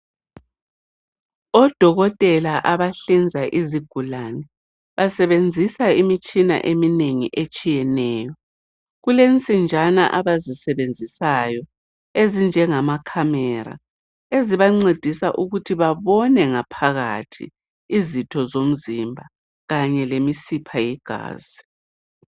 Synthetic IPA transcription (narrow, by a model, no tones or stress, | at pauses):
ɔd̥ʱɔɣɔtʼɛlaʔaβaɬind͡zʱaʔiziɡ̥ʱulanɛ | βasɛβend͡zʱisaimit͡ʃʼina̰ʔemineŋḭʔet͡ʃʼijɛnɛːjɔ | ɣulent͡sʼind͡ʒʱana̰ʔaβazisɛβend͡zʱisajɔ | ezind͡ʒʱɛŋamakʰamɛɾa̰ | eziβaŋ͡ǀed̥ʱisaʔuɣutʰiβaβɔnɛŋapʰaɣatʰḭː | zitʰɔzom̩zimbʱa | ɣaɲɛlemisipʰajɛɡ̥ʱa̰ːz̥i